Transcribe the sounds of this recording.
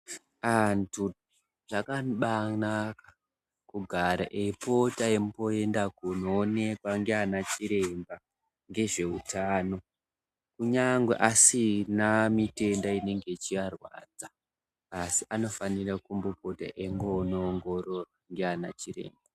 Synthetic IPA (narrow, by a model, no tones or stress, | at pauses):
antʰu | ʐ̥akaɓanaka | kuɡʱaɾa̰ʔepo̞taempoe̞ndakunoːne̞kwaŋɡeanat͡ʃiɾe̞mba | ŋɡe̞ʐe̞utaːno̞ | kuɲaŋɡwḛʔasinamite̞ndaine̞ŋɡe̞t͡ʃiʋarwa̰d͡zaː | siʔano̞fanirakumbopo̞ta̰ʔe̞ŋɡonoŋɡo̞ɾoraŋɡeana̰t͡ʃire̞̰ːmba